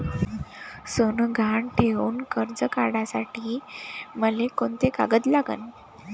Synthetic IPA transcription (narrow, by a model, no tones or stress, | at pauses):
sonɡʱaɳʈʰeuːnkəɾd͡zəkaɽasaʈiːməlekont̪eka̰ɡət̪laɡə̰n